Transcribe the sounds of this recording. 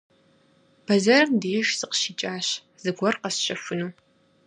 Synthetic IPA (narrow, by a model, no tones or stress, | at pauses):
b̥ɐzɐrdijɪʃzɨqʃiːt͡ʃʼaːɕ | z̥ɨɡʷɔrqɐsɕɐfɨnuː